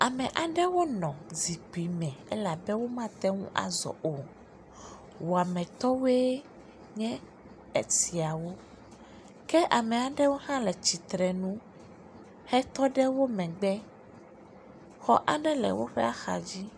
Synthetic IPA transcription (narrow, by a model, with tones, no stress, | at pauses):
a˨mɛ̃˨ʔa˨ɖɛ˦wo˦nɔ̃˨zi˨k͡pi˨mɛ̃˨ɛ˦la˨bɛ˦wo˦mã˦t̪ɛ˦ŋṵ̃˦ʔa̰˨zɔ̰˨ʔo˨ | wo˨a˨mɛ̃˨t̪ɔ˦we˦ | ɲɛ̃˦ | e˨si˨a˨wo˦ | kɛ˦ʔa˨mɛ̃˨a˨ɖɛ˦wo˦hã˦lɛ˨t͡ɕi˨t̪ɾɛ˨nũ˦ | hɛ˦t̪ɔ˦ɖɛ˦wo˦mɛ̃˨ɡ͡bɛ˦ | xɔ̰˦ʔa˦ɖɛ˦lɛ̰˨wo˦ɸɛ˦a˦xa̰˨d͡ʑi˦